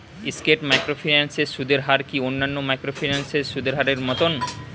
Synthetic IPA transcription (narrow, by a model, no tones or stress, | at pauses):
iskeʈmajkɾofʰinanseʃud̪ʱeɾɦaɾkionːanːomajkɾofʰinanseʃud̪eɾɦaɾeɾmɔt̪on